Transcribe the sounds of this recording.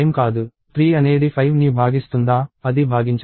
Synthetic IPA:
jmkaːd̪u | t̪ʰɾiːɐneːɖipʰɐjʋnibʱaːɡist̪und̪aːɐd̪ibʱaːɡiɲt͡ʃ

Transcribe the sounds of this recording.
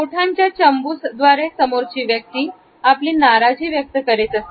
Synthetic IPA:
oʈʰaɲt͡ɕjat͡ɕəmbusd̪ʋaɾesəmoɾt͡ɕiːʋjək̚t̪iː | apliːnaɾad͡ʑiːʋjək̚t̪əkəɾet̪əst̪e̥

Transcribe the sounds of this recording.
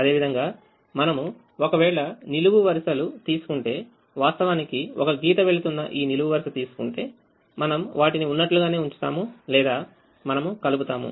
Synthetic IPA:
ɐd̪e̞ːʋid̪ʱɐŋɡaː | mɐnɐmu | okɐʋɛːɭɐniluʋuʋɐɾʃɐlut̪iːsu̥kuɳʈe̞ː | ʋaːst̪ɐʋaːnikiɔkɐɡiːt̪ɐʋe̞ɭut̪unːɐ̰ʔiːniluɡuʋɐɾʃɐt̪iːsu̥kuɳʈe̞ː | mɐnɐmʋaːʈiniunːɐʈluɡaːne̞ːuɲt͡ʃu̥t̪a̰ːmulɛːd̪aː | mɐnɐmukɐluput̪aːmṵ

